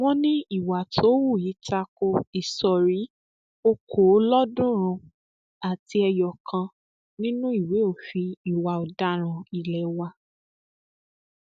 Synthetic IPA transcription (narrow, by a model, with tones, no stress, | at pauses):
w̃ɔ̃˦nĩ˦i˦˨wa˨tʰo˨˦wu˦˨ji˨˦ta˧ko˧i˨sɔ˨ɾi˨˦ | o˧kʰo˨˦lɔ˦dũ˦ɾ̃ũ˧ | a˨ti˧ɛ˧jɔ˨kʰã˧ | nĩ˦nũ˦i˦˨we˨˦o˦˨fi˧i˨wa˨ɔ˨da˦ɾ̃ã˨i˨lɛ˨wa˧